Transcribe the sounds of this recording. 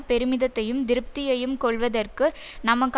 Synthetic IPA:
pɛɾɯmɪðɐt̪ːɐjɯmd̪ɪɾɯp̚t̪ɪjɐjɯmkɔɭʋɐðɐrkɯ | nɐmɐkː

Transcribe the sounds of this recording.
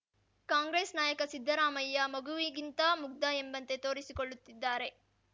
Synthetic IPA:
kaːŋɡɾe̞ːsnaːjɐkɐsid̪ʱːɐɾaːmɐjːɐmɐɡuʋiɡint̪ɐmuk̚d̪ɐembɐnt̪e̞t̪o̞ːɾisikoɭːut̪ːid̪ːaːɾe̞

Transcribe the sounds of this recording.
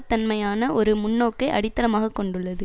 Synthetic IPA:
t̪ːɐnmɐjaːnɐʔɔɾɯmʊnːoːkːɐɪʔɐ̰ɽɪt̪ːɐɾɐmaːɣɐkːɔɳɖɯɭːɐðɯ

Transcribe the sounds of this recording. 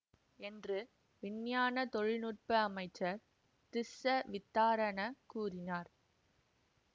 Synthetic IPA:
ɛndrɯ | ʋɪnjaːnɐt̪ɔɻɪnuʈ̚pɯɐmɐɪt͡ʃːɐɾ | t̪ɪsːɐʋɪt̪ːaːɾɐnɐkuːrɪnaːɾ

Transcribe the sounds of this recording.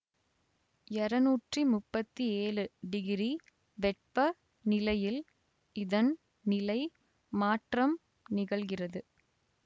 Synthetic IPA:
ɛɾɐnuːʈrimʊpːɐt̪ːieːɻɯɖɪɣɪɾi | ʋɛʈ̚pɐ | nɪlɐjɪl | ɪðɐn | nɪlɐɪ | maːʈrɐm | nɪɣɐɭɣɪrɐðɯ

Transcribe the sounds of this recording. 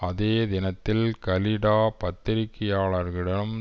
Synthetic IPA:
ɐðeːd̪ɪnɐt̪ːɪlkɐlɪɽaːpɐt̪ːɪɾɪkːɪjaːɭɐɾɣɪɽɐɯm

